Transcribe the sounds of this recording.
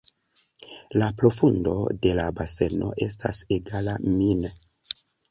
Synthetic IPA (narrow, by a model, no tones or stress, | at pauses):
lapɾo̞fundo̞̰de̞labase̞no̞̰ʔe̞sta̰seɡalamin